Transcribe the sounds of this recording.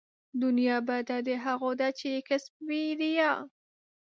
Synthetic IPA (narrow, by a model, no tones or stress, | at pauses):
d̪ʊnjɑbad̪ad̪eɦaɣod̪at͡ʃeekɪsp̚wid̪ijɑ